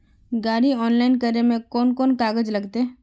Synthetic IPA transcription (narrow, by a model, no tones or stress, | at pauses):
ɡaːɾiɔːnlaːɪnkəɾnemẽkɔːnkɔːnkaːɡəd͡ʒlɐɡt̪e